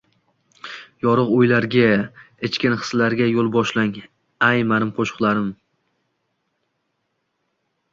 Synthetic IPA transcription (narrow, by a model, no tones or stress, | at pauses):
jɒɾɨqojlaɾɡʲa | ɪt͡ʃkʲɪnχɨ̥slaɾɡʲajolˠbɒʃlaŋ | ajmanɪmqʰoʃʊ̥qlˠaɾɪm